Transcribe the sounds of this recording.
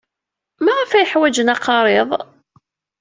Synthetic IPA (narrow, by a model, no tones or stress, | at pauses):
mæʁæfæjəħwæd͡ʒənɑqɑɾˤeðˤ